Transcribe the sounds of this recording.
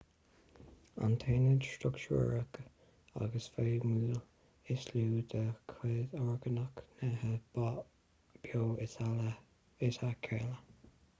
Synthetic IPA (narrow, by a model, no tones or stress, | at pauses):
a̰nt̪ʰeːnədʃtʊkt͡ʃṵːɹək | a̰ɡəsfeːmulə | ɪsluːd̪əkʰeːdɔɹɡənəknəhəba | b̥joː | ɪsakʲʰɛ̰lə